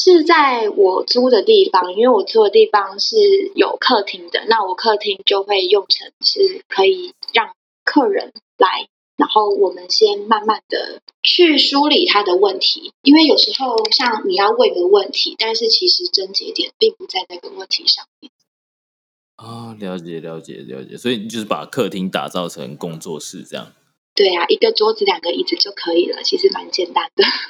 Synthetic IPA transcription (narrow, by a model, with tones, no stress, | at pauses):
ʂɻ̩˥˧t͡sa˥˩ɪwɔ˨˩t͡su˥d̪ə˨t̪i˥˩fɑ˨˩ŋi˥nwe˥˩ɪwɔ˨˩t͡su˥d̪ə˨t̪i˥˩fɑ˨ŋʂɻ̩˥˩jo˨˩ʊkʰɤ˥˩t̪ʰi˧˥ŋd̪ə̰˧˦na˥˩wɔ˨˩kʰɤ˥˩t̪ʰi˧˥ŋt͡ɕjo˥˧ʊxwe˥˧ɪjʊ˥˩ŋʈ͡ʂʰə˧˥ŋʂɻ̩˥˩kʰɤ˧˥i˨˩ɻɑ˥˩ŋ | kʰɤ˥˩ɻə̰˧˦n | la˧˦ɪ | na˧˥nxo˥˩ʊwɔ˨˩mə˨˦nɕjɛ˥nma˥˧nma˥˩nd̪ə̰˩t͡ɕʰy˥˩su˥li˨˩t̪ʰa˥d̪ə˨wə˥˩nt̪ʰḭ˧˥˦i˥nwe˥˩ɪjo˨˩ʊʂɻ̩˧˥˦xo˥˧ʊɕjɑ˥˩ŋni˨˩jɑ˥˧ʊwe˥˩ɪɡə˩wə˥˩nt̪ʰḭ˧˥t̪a˥˧nʂɻ̩˥˩t͡ɕʰi˧˥ʂɻ̩˧˥ʈ͡ʂə˥nt͡ɕɛ̰˧˥t̪jɛ˨˩npi˥˩ŋpu˨˩t͡sa˥˧ɪna˥˩ɡə˩wə˥˩nt̪ʰḭ˨˧˥ʂɑ˥˧ŋmjɛ˥˩n | ɔ˥˩ljɑ˧˥ʊt͡ɕjɛ˨˩ljɑ˧˥ʊt͡ɕjɛ̰˨˩ljɑ̰˧˦ʊt͡ɕjɛ̰˨˩swɔ˧˥i˨˩i˨t͡ɕo˥˧ʊʂɻ̩˥˩pa̰˨˩kʰɤ˥˧t̪ʰi˦˥ŋt̪a̰˨˩t͡sɑ˥˨˩ʊʈ͡ʂʰə̰˧˦ŋkʊ˦ŋt͡swɔ̰˥˨ʂɻ̩˥˧ʈ͡ʂɤ˥˧jɑ̰˨˩ŋ | t̪we˥˩ɪja˩ʔi˧˥ɡə˨˧ʈ͡ʂɔ˥t͡sɹ̩˨˩ljɑ˨˩ŋɡə˦i˥˩t͡s̩˨˩t͡ɕjo˥˩ʊkʰɤ˧˦i˨˩lə̰˩t͡ɕʰi˧˥ʂɻ̩˧˥˩ma˧˦nt͡ɕjɛ˥˩nt̪a˥nd̪ə˨˩